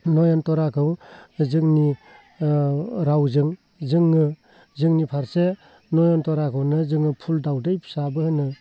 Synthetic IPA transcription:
nɔjɔntɔɾakʰɯwzɯŋni | ɾawzɯŋ | zɯŋːɯ | zɯŋnipʰaɾse | nɔjɔntɔɾakʰɯwnɯzɯŋɯpʰuldawdejpʰsabɯhɯnɯ

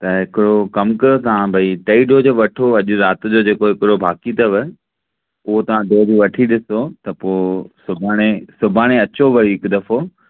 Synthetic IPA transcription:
t̪ɐɦɪkɪɽokɐmkɐɾot̪ɐãbʱɐiʈɐiɖʱoːd͡ʑoːʋɐʈʰoɐʄʊɾaːt̪d͡ʑoːd͡ʑeːkoɦɪkɪɽobʱaːkit̪ɐʋɪ | ʊɦot̪ɐʋ̤ãɖʱoːd͡ʑiʋɐʈʰiɗɪsot̪ɐpoːsʊbʱaːɽ̃esʊbʱaːɽ̃eɐt͡ɕoʋɐɽiɦɪkd̪ɐfo

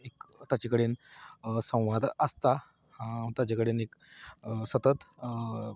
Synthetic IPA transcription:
ekt̪at͡ɕakəɽensə̃w̃ʋad̪əst̪a | hãt̪jat͡ɕakəɽenek | sət̪ət̪

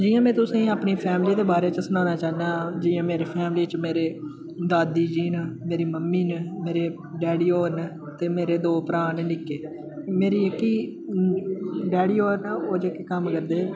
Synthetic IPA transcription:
d͡ʒijãːmɛ̃ːt̪ʊsĩːaːpniːpʰɛːmliːd̪eːbaːɾeːt͡ʃəsʊnaːnaːt͡ʃaːnãːd͡ʒiːjãːmeːɾeːpʰɛːmliːt͡ʃmeːɾeː | d̪aːd̪iːd͡ʒiːnəmeːɾiːməmːiːnːmeːɾeː | ɖɛːɽiːoːɾnː | t̪eːmeːɾeːd̪oːpəɾaːnːnɪkːeː | meːɾiːəkːiː | ɖɛːɽiːoːɾnaoːd͡ʒəkːekəmkəɾd̪eː

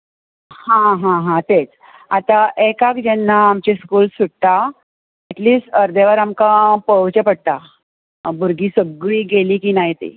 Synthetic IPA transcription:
hãɦãɦãt̪et͡s | at̪aʔekakd͡ʑɛnːaːmt͡ɕiskuːlsuʈt̪a | ɛʈliːsʈəɾd̪eʋaɾamkapəwt͡ɕəpəɽ̚t̪a | buɾɡiːsəb̚ɡɭiːɡeliːkinaɦit̪ḛ

